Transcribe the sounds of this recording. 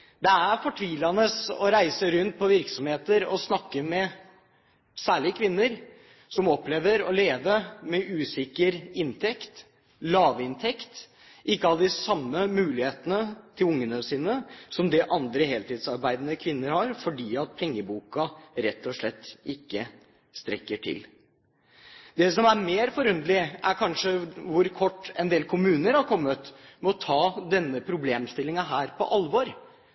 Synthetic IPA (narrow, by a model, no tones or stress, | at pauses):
d̪ɛæɾfɔʈʰʋiːlɑnəsɔ̰ɾæɪsəɾʉnt̪̚pʰɔʋɪɾksɔmheːt̪əɾɔsnɑkːəmɛ | sæːɭɪkʰʋɪnːəɾ | sɔmɔpːleːʋəɾɔleːʋəmɛʔʉːsɪkːəɾɪnt̪ʰɛkt̪ | lɑːʋɪnt̪ʰɛkt̪ | ʔɪkːəɑləd̪ɪsɑmːəmʉːlɪheːt̪ənət̪ʰɪlʊŋːənəsiːnəsɔmd̪ɛʔɑnd̪ɾəheːlt̪ɪːd̪sɑɾbæɪd̪nəkʰʋɪnːəɾhɑɾfɔɖiːɑt̪̚pʰɛŋːəbuːkɑɾɛt̪ːɔʂɭɛt̪ːɪkːə | st̪ɾɛkːəʈʰɪ̰l | d̪ɛsɔmæɾmeːɾfɔɾʉnd̪əlɪæɾkʰɑnʂəʋʊɾkʰɔʈːɛnd̪eːlkʰʊmʉːnəɾɑɾkʰɔmːət̪mɛɔt̪ʰɑːd̪ɛnːəpʰɾʊbleːmst̪ɪlːɪŋɑɦæːɾpʰɔ̰ʔɑlʋɔɾ